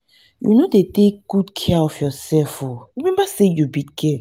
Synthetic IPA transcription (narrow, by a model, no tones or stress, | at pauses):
jṵnodetek̚ɡ̥udkʰɛɔfjɔsɛlfɔɹimɛ̃mbasejubitkʰɛ